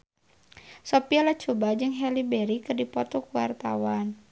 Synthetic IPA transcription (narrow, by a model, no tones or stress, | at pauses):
sɔpialat͡ʃubad͡ʒɨŋɦɛlibɛɾikɨrdipɔt̪ɔkuwart̪a̰wan